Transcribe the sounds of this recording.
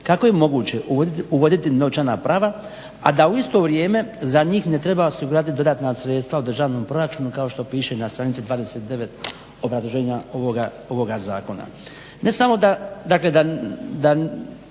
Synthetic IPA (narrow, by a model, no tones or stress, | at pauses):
kako̞je̞mo̞ɡuːt͡ɕe̞ʔuʋo̞d̪it̪ino̞t͡ʃanapɾaːʋa | a̰d̪auist̪o̞ʋɾje̞ːme̞zaɲiːxne̞t̪ɾe̞baosiɡuɾat̪id̪o̞d̪aːt̪nasɾe̞t̪st̪ʋaud̪r̩ʒaːʋno̞mpɾo̞ɾat͡ʃuːnukao̞ʃt̪o̞piːʃe̞nast̪ɾanit̪sid̪ʋaːd̪eset̪̚d̪e̞ʋe̞t̪ | o̞bɾazloʒeːɲaoʋoɡa | o̞ʋo̞ɡazaːko̞na̰ | ne̞samo̞d̪ad̪akle̞d̪ad̪a